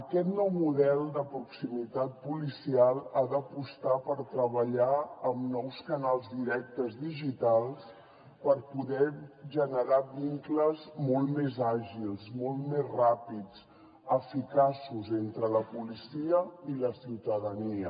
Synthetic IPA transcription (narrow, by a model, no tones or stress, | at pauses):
əkɛt̪nɔwmuðɛlˠd̪əpɾuksimit̪at̪̚pulisialˠad̪əpust̪apəɾt̪ɾəβəʎaəmnɔwskənalˠzd̪iɾɛk̚t̪əzðiʒit̪alˠs | pəɾpuðɛʒənəɾaβiŋkləzmɔlˠt̪mezaʒilˠzmɔlˠt̪mezrapit͡s | əfikasuzent̪ɾələpulisiəiləsiwt̪əðəniə